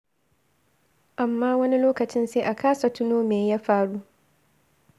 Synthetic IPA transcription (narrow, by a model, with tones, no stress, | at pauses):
ʔa˨mːaː˦wɐ˦ni˦loː˦kɐ˨t͡ʃɪ˦nseː˦ʔa˨kʰaː˦sa˨tʊ˦noː˦meː˨jaː˦ɸaː˦ɽu˦